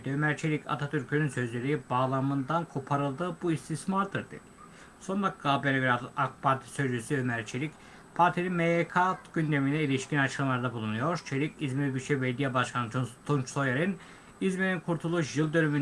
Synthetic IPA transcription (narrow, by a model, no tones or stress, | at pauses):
d̪ømæɾt͡ʃʰelʲicʰa̰t̪ʰat̪ʰyɾcʰynynsø̞zlʲe̞ɾiibaːlˠamɯnd̪ankʰo̞pʰaɾɯlˠd̪ɯːbuist̪ʰismaɾd̪ɯɾd̪ḛ | so̞ndak̚ɡaːbeɾevɾad̪akpʰaɾt̪ʰi̥sø̞zd͡ʒysyømæɾt͡ʃʰelʲic | pʰaɾt̪ʰilinmejekʰat̪ɟynd̪e̞minɛilʲiʃcʰinat͡ʃʰɯlɯmlˠaɾd̪abulˠunujo̞ɾt͡ʃʰelʲicizmiɾbyʃɛveɾd̪ijɛbaʃkʰant͡ʃʰunt̪ʰunt͡ʃso̞jaɾin | izmeɾinkʰuɾt̪ʰulˠuʃjɯlˠd̪ø̞nymyn